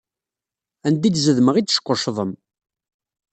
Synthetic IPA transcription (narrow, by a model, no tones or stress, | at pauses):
ænd̪id̪zəðməʁit͡sːʃə̥qʷːʊʃðˤəm